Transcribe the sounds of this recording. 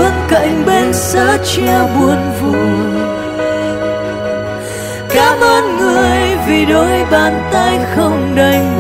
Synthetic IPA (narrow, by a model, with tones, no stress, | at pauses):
ɨ˧˨ənkə̰˧˨jŋ̟ɓe˧nsa̰ː˧˥t͡ɕɛ˧ɓu˨˩ənvu˨˩ | kaː˨˦˥mʔəː˧nŋɨ˨˩əəjvi˨˩ɗo˨˦jɓaː˨˩nt̪a˧jxə˧wŋ͡mɗə˧j